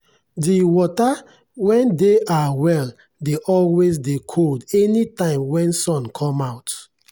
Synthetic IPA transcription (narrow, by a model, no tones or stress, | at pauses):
diwɔta | wɛ̃ndeʔawɛl | deʔɔlwezdekʰoldɛnitãɪ̃mwɛ̃nsɔ̃nkʰɔ̃maʊt